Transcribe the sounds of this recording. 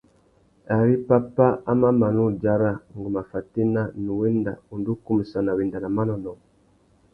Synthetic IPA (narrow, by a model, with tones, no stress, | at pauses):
a˨ɾi˦pa˦pa˦a˦ma˦ma˨nu˦d͡ʒa˦ɾa˦ŋ˨ɡu˨ma˨fa˨ti˦na˦nu˨wɛ˦nda̰˨u˨ndu˦ku˦mi˨sa˨na˨wi˨nda˨na˨ma˦nɔ˨nɔ˨